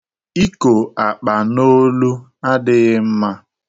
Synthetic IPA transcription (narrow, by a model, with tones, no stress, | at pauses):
i˦ko˨a˨k͡pa˨no˦lu˦ | a˦dɪ˦m̩˦ma˦